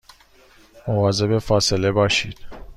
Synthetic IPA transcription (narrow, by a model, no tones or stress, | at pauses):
ovɒzebefɒːselebɒʃid̪̥